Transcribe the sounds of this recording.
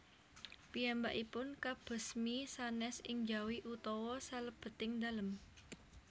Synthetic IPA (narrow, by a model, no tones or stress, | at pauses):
pijambaʔipʊnkab̥ə̤smisanɛsɪŋd͡ʒawiʔut̪ɔwɔsaləb̥ə̤t̪ɪŋd̪a̤ləm